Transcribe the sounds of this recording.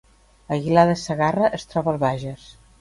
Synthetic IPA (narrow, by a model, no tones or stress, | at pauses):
əɣilaðəsəɣarəʔəst̪ɾɔβəlˠβaʒəs